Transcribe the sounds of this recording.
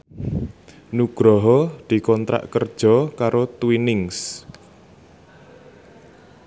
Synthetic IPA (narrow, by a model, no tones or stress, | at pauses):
nuɡ̥ɾɔɦɔd̪̥i̤kɔnt̪ɾa̰ʔkərd̥ʒ̥ɔ̤kaɾot̪winɪŋs